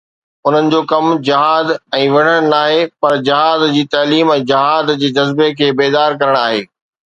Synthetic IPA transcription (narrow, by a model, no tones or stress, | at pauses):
ʊn̤ənɪ̆d͡ʑoːkɐmd͡ʑɐɦaːd̪ɛ̃ːʋɐɽ̤əɽ̃naːɦepɐɾd͡ʑɪɦaːd̪d͡ʑiːt̪ɐːliːmɛ̃ːd͡ʑɪɦaːd̪d͡ʑeːd͡ʑɐzbekʰeːbeːd̪aːɾkɐɾəɽ̃aːɦeː